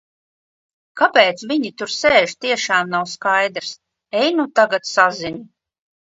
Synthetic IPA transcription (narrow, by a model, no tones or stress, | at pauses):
kapɛːt̪sviɲit̪uɾseːʒt̪iɛʃaːmnawskajd̪ɾs | ɛjnut̪aɡat̪sazinu